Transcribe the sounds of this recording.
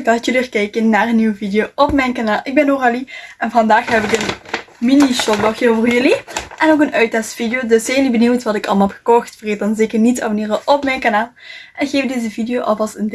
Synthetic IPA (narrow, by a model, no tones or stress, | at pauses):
dɑtjəliərkɛjkənːaːrənːiwəvidɪjoːʔɔpmɛjnkanaːlˠʔɪɡ̚bɛnoraliʔɛnvɑndaːxɦɛpɪkənminiʃɔt̚bɔxjəovərjɵliʔɛnokənœɥtɛstfidjoːdøsz̥ɛjlibəniwtʋɑtɪkɑ̰lˠm̩ɛxə̥kɔxtfəreːt̚dɑnzeːkərnitsɑ̰vəniːrəʔɔpmɛjnkanaːlˠʔɛnxeːvdezəvidijoːʔɑ̰fɑlˠsən